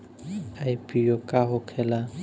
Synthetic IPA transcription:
aipʼijokʼaɦʊkʰɛːla

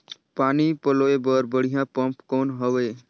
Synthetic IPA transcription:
paːnipəloːebəɾbəɽ̤ijãpə̃mpkoːnɦəʋeː

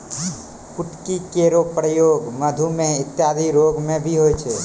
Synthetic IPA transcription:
kʊʈkikeɾopɾəjoɡməd̪ʱumẽɪt̪jad̪ʱiɾoɡmẽbʱiɦojt͡ʃʰe

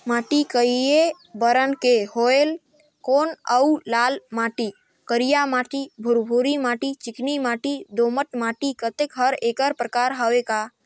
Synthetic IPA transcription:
maːʈikəie | bəɾənkehoel | koːnəulaːlmaːʈi | kəɾijamaːʈibʱʊɾbʱuɾimaːʈit͡ʃɪknimaːʈid̪oːməʈmaːʈikət̪ekɦəɾeːkəɾpɾəkaːɾɦəweka

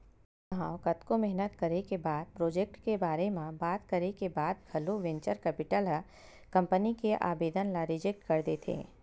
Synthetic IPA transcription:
ãːwkɐt̪komɛɦnət̪kəɾekebaːd̪̚pɾoːd͡ʒek̚ʈkebaːɾemãbaːt̪kəɾekebaːd̪ɡʱɐloʋẽɲt͡ʃəɾkɛːpɪʈəlɦə | kɐ̃mpənikeʔa̰ːbeːd̪ənlaɾɪd͡ʒek̚ʈkəɾd̪eːt̪ʰḛː

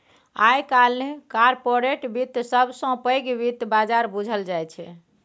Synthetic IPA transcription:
ajkalnekaɾpoɾeʈbit̪səbsə̃pəjɡbit̪bad͡ʒaɾbud͡ʒʱəld͡ʒajt͡ʃʰɛ̰

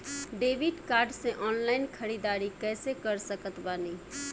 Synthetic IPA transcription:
ɖeːbiɖkaːɾɖsẽʔɔːnlaɪnkʰəɾid̪aːɾikɛːsekəɾsəkət̪bani

